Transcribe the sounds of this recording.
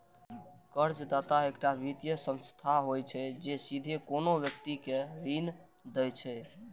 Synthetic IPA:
kəɾd͡ʒd̪at̪aekʈabʱit̪jəsə̃nst̪ʰaɦojt͡ʃʰɛd͡ʒesid̪ʱekonobjək̚t̪ikeɾin | d̪ɛjt͡ʃʰɛ

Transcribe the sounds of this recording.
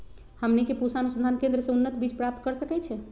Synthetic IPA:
həmnikepusanusənd̪ʱankẽnd̪ɾəsẽunːət̪bit͡ʃpɾap̚t̪̚kəɾsəkɛt͡ʃʰɛ

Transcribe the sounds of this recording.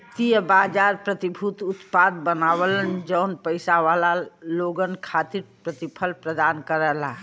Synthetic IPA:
t̪ijəbad͡ʒaɾpɾət̪ibʱut̪ut̪pad̪bənaʋələnd͡ʒəʊnpəɪsaʋalaloɡənkʰat̪iɾpɾət̪ipʰəlpɾəd̪ankəɾɛla

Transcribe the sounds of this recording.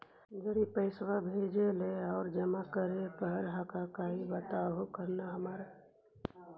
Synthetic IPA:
d͡ʒəɾipəɪsʋabʱed͡ʒeleɔːɾd͡ʒəmakəɾepəɾɦakakaɦibət̪aɦokəɾnaɦəmaːɾa

